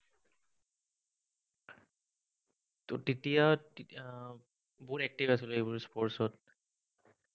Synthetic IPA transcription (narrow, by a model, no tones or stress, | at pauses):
ttitija | buɹɛk̚tivasilʊejbuɹspɔɹsɔt̚